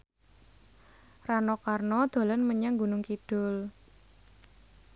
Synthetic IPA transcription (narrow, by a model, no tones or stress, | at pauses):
ranɔkarnɔd̪̥o̤lɔnməɲaŋɡunʊŋkid̥ʊ̤l